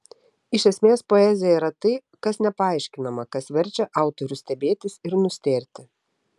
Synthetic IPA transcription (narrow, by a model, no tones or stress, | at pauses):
ɪʃʲɛsʲmʲeːspoɛzʲɪjɛiɾɐt̪ɐɪ | kɐsnʲɛpɐɑˑɪʃʲkʲɪnɐmɐkɐsʋʲɛɾʲt͡ʃʲɛʔɑˑʊt̪ɔɾʲʊsʲt̪ʲɛbʲeːt̪ʲɪsɪɾnʊsʲt̪ʲeːɾʲt̪ʲɪ